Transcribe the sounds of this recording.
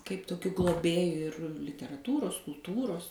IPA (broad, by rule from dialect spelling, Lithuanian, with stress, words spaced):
kɐɪp toːˈkʲʊ ɡlˠoːˈbʲeːjʊ ɪr lʲɪtʲɛrɐˈtuːroːs kʊlˠˈtuːroːs